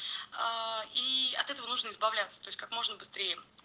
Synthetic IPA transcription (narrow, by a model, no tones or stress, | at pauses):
aiɐ̰t̪ɛt̪əvənuʐnəɪzbɐvlʲæt̪sə̥t̪o̞ɪsʲkakmo̞ʐnəbɨst̪ɾʲejə